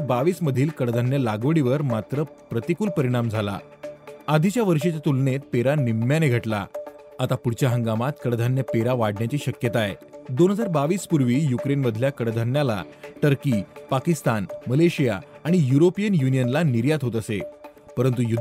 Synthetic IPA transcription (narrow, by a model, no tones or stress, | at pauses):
ɾbaʋiːsməd̪ʱiːlkəɽd̪ʱanjəlaɡʋəɽiʋəɾmat̪ɾə | pɾət̪ikuːlpəɾiɽ̃amd͡zʱala̰ | ad̪ʱit͡ɕjaʋəɾʂet͡ɕjat̪ulnet̪̚peɾanimːjaneɡʱəʈla̰ | at̪apuɽt͡ɕjaɦə̃ŋɡamat̪kəɽd̪ʱanjəpeɾaʋaɽɳjat͡ɕiːɕəkjət̪aed̪onɦəd͡zaɾbaʋiːspuɾʋiːjukɾenməd̪ʱljakəɽd̪ʱanjala̰ʈəɾkipakist̪anməleɕija̰aɽ̃ijuɾopijənjunijənlaniɾjat̪ɦot̪əse | pəɾənt̪ujud̪